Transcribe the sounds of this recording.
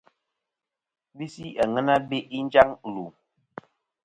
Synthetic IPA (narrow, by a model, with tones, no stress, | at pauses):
bi˦si˦a˨ŋə˦na˦be˦ʔi˦n˦d͡ʒa˦ŋ˨lu˨